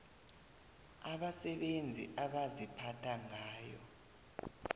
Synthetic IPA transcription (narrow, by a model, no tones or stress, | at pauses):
aɓasɛɓend͡zʱḭʔaɓazipʰatʰaŋaːjɔ̰